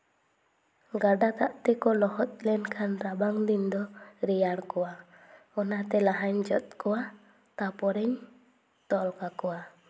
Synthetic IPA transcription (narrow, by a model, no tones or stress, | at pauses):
ɡaɖat̪aʔt̪ɛkɔlɔhɔt̪̚ˀlɛnkʰanɾabaŋd̪ind̪ɔɾɛjaɽkɔwa | ɔnat̪ɛlaɦaɲd͡ʒɔt̪̚kɔwa | t̪apɔɾɛɲ | t̪ɔlkakɔwa